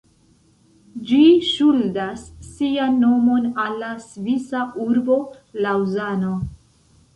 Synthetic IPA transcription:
d͡ʒiʃuldasːianːo̞mo̞nalːasvisaʔuɾbo̞ | lawzano̞

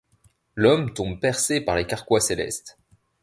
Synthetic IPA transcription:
lɔmt̪ɔ̃bpɛʁsepaʁlekaʁkwaselɛ̰st̪

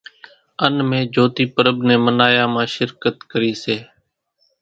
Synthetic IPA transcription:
ənmẽːd͡ʒʱoːt̪iːpəɾəbneːmənaːjaːmãːʃɪɾkət̪kəɾiːseː

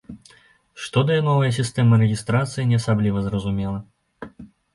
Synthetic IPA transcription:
ʂt̪ɔd̪ɐjɛnɔvɐjɐs̬ʲist̪ɛmɐɾɛɣʲist̪ɾat̪sɨjinʲɛɐsablʲivɐzrɐzumʲɛlˠɐ

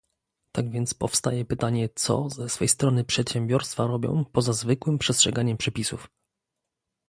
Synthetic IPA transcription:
t̪aɡvʲjɛnt̪spɔfst̪ajɛpɘt̪aɲɛt̪sɔ̰zɛsfɛjst̪ɾɔnɘpʂɛt̪ɕɛmbʲjɔɾst̪faɾɔbʲjɔ̰̃w̃pɔzazvɘkwɘmpʂɛstʂɛɡaɲɛmpʂɛpʲisuf

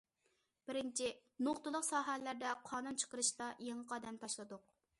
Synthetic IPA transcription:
b̥ɪɾɪnt͡ʃʰɪnoχt̪ɨlˠʊqsɑːɦælːæɾd̪ɛqʰɑːnunt͡ʃʰə̥qəɾɨʃt̪ɑjeŋəqɑːd̪ɛmt̪ʰɑʃlˠɨd̪ʊq̚

